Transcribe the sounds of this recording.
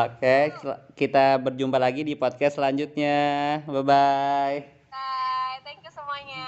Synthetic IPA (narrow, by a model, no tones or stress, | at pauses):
okekit̪abərd͡ʒumbalaɡidipod̪̚kɛstːlaɲd͡ʒut̪̚ɲababaj | t̪ɛŋkjsəmaɲ